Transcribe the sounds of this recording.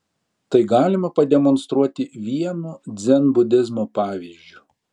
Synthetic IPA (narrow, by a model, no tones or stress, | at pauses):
t̪ɐɪɡɑːlʲɪmɐpɐd̪ʲɛmɔnst̪ɾuɔt̪ʲɪʋʲiɛnud̪zʲɛnbʊd̪ʲɪzmoːpɑːʋʲiːzʲd͡ʒʲu